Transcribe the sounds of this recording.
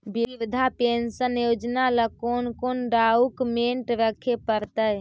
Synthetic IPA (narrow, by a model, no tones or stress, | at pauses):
bibd̪ʱapensənjod͡ʒnaləkonkonɖaukmeɳʈɾəkʰepəɾt̪əj